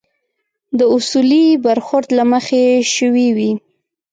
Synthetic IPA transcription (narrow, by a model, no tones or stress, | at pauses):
d̪əʊsulibaɾxʊɾd̪laməxeʃəwiwi